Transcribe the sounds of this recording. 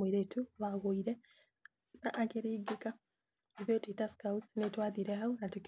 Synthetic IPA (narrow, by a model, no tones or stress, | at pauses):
iɾetuβaɣoiɾe | aʔːkeɾeiɡeka | iβotitaskautsnetwaːðiɾeɦaonatuk